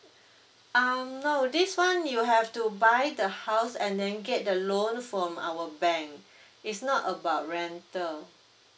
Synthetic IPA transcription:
ʔamnoʊdiswãnjuɦɛftubajdəhaʊsɛ̃ndɛ̃nɡɛt̚dəlõnfɹɔ̃ma̰wəbɛ̃ŋk | itsnɔtəbaʊt̚ɹɛ̃ntəl

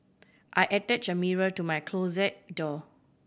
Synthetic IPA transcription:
ʔajʔɛtɛt͡ʃəmiɹətumajkʰlozɛt̚dɔ

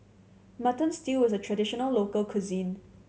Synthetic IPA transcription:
matə̃nstilwɔzətʰɹədɪʃənəlloːkəlkʰuzĩn

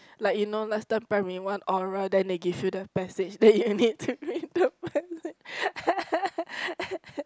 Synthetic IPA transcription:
laɪkjunolastãmpɹɛmĩwãnɔɹədɛ̃ndeɡivjudəpɛsed͡ʒdɛt̚junid̚tʰubɹĩndəpɛsed͡ʒ

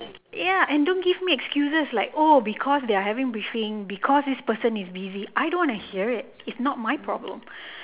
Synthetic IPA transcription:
jaʔɛ̃ndõnɡivmiɛkskjusəslaɪkobikʰɔsd̪eaɦɛvɪ̃ŋbɹifĩŋbikʰɔsd̪ispəsə̃nisbiziʔajdõnwɔ̃nuhiəɹɪt̚ɪtsnɔt̚maɪjpʰɹɔ̰blə̰̃m

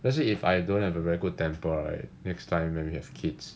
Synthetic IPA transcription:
lɛsliifajdõnhɛvəvɛɹiɡud̚tɛ̃mpəa̰jnɛkstʰãɪ̃mwɛ̃nwihɛv̥kʰids

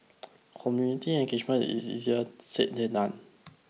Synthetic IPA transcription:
kʰɔmjunitiɛ̃nɡed͡ʒmə̃nḭsḭziəseʔndenãn

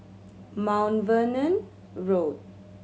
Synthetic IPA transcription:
mãʊ̃nʋənə̃n | ɹoːd̚

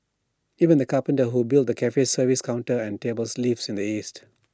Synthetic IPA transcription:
iːvə̃nd̪əkapə̃ntəɦubɪlt̚d̪əkʰɛfesəviskʰãʊ̃nʈəɛ̃nteːbəlslifsɪ̃nd̪iiːst

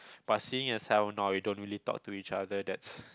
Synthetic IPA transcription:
b̥asiɪ̃ŋəsɛlnawidõnɹilitɔ̰k̚tuit͡ʃadədɛts

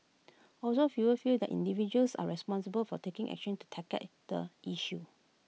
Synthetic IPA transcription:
ʔɔlsofiwəfildɛ̰tʔḭ̃ndivid͡ʒuəlsa̰ɹɛspɔ̃ns̬əbəlfɔtekɪ̃ŋʔɛ̰k̚ʃə̃ntu̥tʰɛkə̰t̚d̥ə̰ʔiʃu

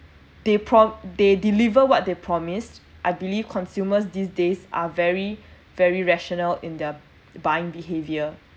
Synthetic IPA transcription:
d̥epʰɹɔdedilivəwɔt̚depʰɹɔmistʔajbilifkʰɔ̃nsjuməs̬disdesa̰vɛɹi | vɛɹiɹɛʃɔnəlɪ̰̃ndə | bajɪ̃ŋbiɦevjə

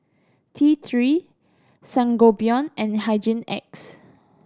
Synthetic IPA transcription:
tʰit̪ʰɹi | sãŋɡobiɔ̃nɛ̃nɦaɪd͡ʒə̃nɛ̰ks

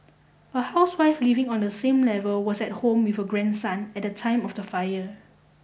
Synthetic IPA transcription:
əhaʊswaɪflivɪ̃ŋɔ̃ndəsẽmlɛvəlwɔsɛt̚hõmwifəɡɹɛ̃nsãnɛt̚dətʰãɪ̃mɔfdəfajə

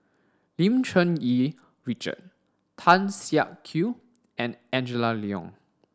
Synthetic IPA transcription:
lĩmt͡ʃə̃ni | ɹit͡ʃə̰t̚ | tʰãnsia̰ʔkʰːju | ɛ̃nɛ̃nd͡ʒəlaliɔ̰̃ŋ

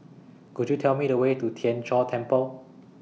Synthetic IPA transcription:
kudjutʰɛlmiɾəwetutʰiɛ̃nt͡ʃɔtʰɛ̃mpəl

